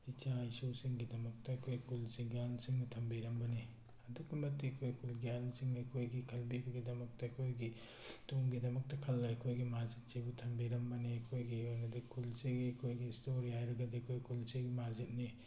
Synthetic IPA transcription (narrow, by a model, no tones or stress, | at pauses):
it͡ʃaisusiŋɡidɐmɐk̚tɐɐkʰojkulsiɡjalsiŋnɐtʰɐmbiɾɐmbɐni | ɐduk̚bɐmɐtːiɐkʰojkulɡjalsiŋɐkʰojɡikʰɐlbibɐɡidɐmɐk̚tɐɐkʰojɡi | tuŋɡidɐmɐk̚tɐkʰɐlːajɐkʰojɡimazit̚sebutʰɐmbiɾɐmbɐniɐkʰojɡiojnɐdɐkʰulsiɡiɐkʰojɡiːstoɾihajɾɐɡɐdiɐkʰojkʰulseɡimazit̚ni